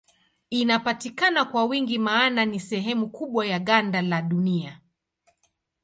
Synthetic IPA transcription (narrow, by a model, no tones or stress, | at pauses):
inapatikanakwawiŋɡimaːnanisɛɦɛmukuɓwajaɠandalaɗunia